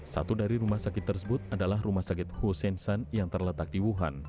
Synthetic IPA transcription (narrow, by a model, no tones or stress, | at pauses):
sa̰t̪udaɾiɾumahsakɪt̪ːərsəbʊt̪̚adalahrumahsakɪt̪̚husɛnsanjaŋt̪ərlət̪ak̚diwuɦa̰n